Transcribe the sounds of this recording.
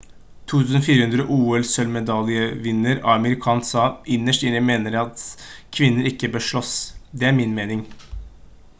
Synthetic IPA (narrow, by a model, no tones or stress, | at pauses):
t̪ʰuːt̪ʰʉːsnfiːɾəhʉnd̪ɾəʔuːɛlsœlmɛd̪ɑlɪəʋɪnːəɾɑ̰ɑməɾɪkʰɑːnsɑːʔɪnːəʂʈɪnːəmeːnəɾjæɑt̪kʰʋɪnːəɾɪkːəbəʂɭɔsd̪ɛæɾmɪnmeːnɪŋ